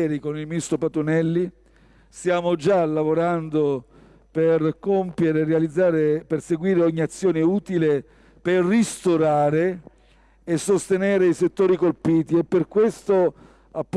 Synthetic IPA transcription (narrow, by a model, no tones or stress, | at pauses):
ɾikonilmist̪opat̪onɛlːi | st̪jaːmod͡ʒalavoɾand̪o | perkompjeɾerːealid̪zːaːɾeperseɡwiːɾeɔɲːiat̪sːjoːneuːt̪ile | perːist̪oɾaːɾeː | sːost̪enɛːɾeiset̪ːoːɾikolpiːt̪iɛpːerkwest̪o | apː